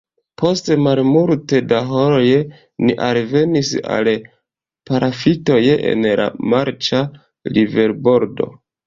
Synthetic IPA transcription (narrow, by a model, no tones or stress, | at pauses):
pʰo̞stemaɾmuɾtedaɦoɾoj | niʔalve̞nisa̰l | paɾʔafito̞jḛnla̰maɾt͡ʃa | live̞ɾbo̞ɾdo̞̰